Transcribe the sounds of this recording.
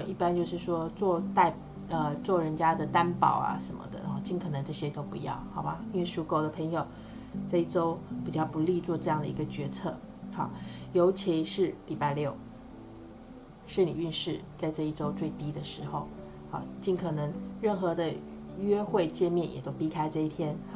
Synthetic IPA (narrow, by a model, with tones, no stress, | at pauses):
ʔi˥˩pa˥˦nt͡ɕjo˥˧ʊʂɻ̩˥˩ʂwɔ˥t͡swɔ˥˧t̪a˥˧ɪ | ə˧t͡swɔ˥˩ɻə˧˥nt͡ɕja˥d̪ə˨t̪a˥npɑ̰˨˩ʊa̰˦ʂə˧˦˥nmə̰˧d̪ə̰˨xɑ̰˥˧˩t͡ɕi˥˩nkʰɤ˨˩nɤ˧˥ŋʈ͡ʂɤ˥˩ɕjɛ˥t̪o˥ʊpṵ˧˥jɑ̰˥˩ʊxɑ˧˥ʊba˧˦i˥nwe˥˩ɪʂu˧˥ko˥ʊd̪ə˨pʰɤ˧˥ŋjo˨˩ʊ | t͡sa˥˧ɪi˥˩ʈ͡ʂo˥ʊpi˨˩t͡ɕjɑ˥˩ʊpu˧˥li˥˧t͡swɔ˥˧ʈ͡ʂɤ˥˧jɑ˥˩ŋd̪ə˩i˧˥ɡə˧t͡ɕɥɛ˧˥t͡sʰɤ˥˩xɑ̰˨˩jo˧˥ʊt͡ɕʰi˧˥ʂɻ̩˥˩li˨˩pa˥˧ɪljo˥˩ʊ | ʂə˥˧nli˨˩y˥˧nʂɻ̩˥˩t͡sa˥˧ɪʈ͡ʂɤ˥˧i˥˩ʈ͡ʂo˥ʊt͡swe˥˩ɪt̪i˥d̪ə˨ʂɻ̩˧˥xo˥˧ʊ | hɑ̰˨˩t͡ɕi˥˩nkʰɤ˨˩nɤ˧˥ŋɻə˥˩nxɤ˧˥d̪ə˧ɥɛ˥xwe˥˧ɪt͡ɕjɛ˥˧nmjɛ˥˩njɛ̰˨˩t̪o˥ʊpi˥kʰa˥ɪʈ͡ʂɤ˥˧i˥˩t̪ʰjɛ˥nhɑ˥˩